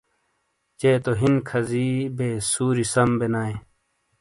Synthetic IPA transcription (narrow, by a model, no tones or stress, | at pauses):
t͡ɕeːt̪oɦinkʰɐziːbeːsuːɾisɐmbenaːẽ